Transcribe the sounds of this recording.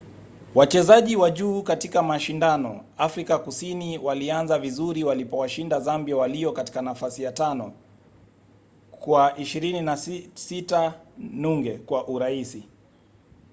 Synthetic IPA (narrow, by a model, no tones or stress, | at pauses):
wat͡ʃɛzaʄiwaʄuːkatikamaʃindanɔ̰afɾikakusiniwalianzavizuɾiwalipɔwaʃindazambiawaliɔkati̥kanafasijatanɔ | kwaʔiʃiɾininasitanuŋɡɛkwaʔuɾaisi